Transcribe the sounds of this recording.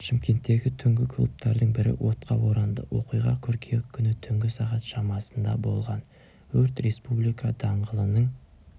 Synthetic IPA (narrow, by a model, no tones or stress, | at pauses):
ʃɪmkʲe̞nt̪ːe̞ɡʲɪt̪ʰʏŋɡʲɪkʰlˠṵp̚t̪ɑɾd̪əɴbɪɾɪ̰wʔo̞t̪qʰɑwo̞ɾɑnd̪ə̰wʔo̞̰qijʁɑkʲʰʏɾkʲʰekʲʰːʏnɪt̪ʰʏŋɡʲɪsɑʁɑt̪ʃɑmɑsənd̪ɑ̰bo̞̰lˠʁɑn | wʰɵɾt̪ɾe̞spublˠijkɑd̪ɑɴʁəlˠənəɴ